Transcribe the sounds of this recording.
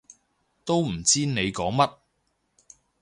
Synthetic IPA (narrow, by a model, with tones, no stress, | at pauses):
t̪o˥wm̩˨˩t͡siː˥ne˨˧jkɔː˨˥ŋmɐ˥t̚